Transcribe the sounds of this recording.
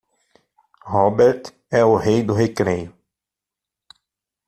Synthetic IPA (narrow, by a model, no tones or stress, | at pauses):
hɔbeɾt̪ | ɛʊhejd̪ʊɦekɾejʊ